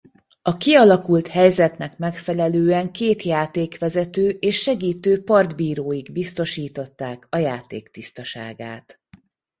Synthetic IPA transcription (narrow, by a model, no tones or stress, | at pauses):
ɒkiɒlɒkult̪hɛjzɛt̪nɛkmɛkfɛlɛløːɛŋkeːt̪jaːt̪eːkʋɛzɛt̪øːʔeːʃːɛɡiːt̪øːpɒrd̪biːɾoːjiɡbist̪o̞ʃiːt̪o̞t̪ːaːkɒjaːt̪ḛːkt̪ist̪ɒʃa̰ːɡa̰ːt̪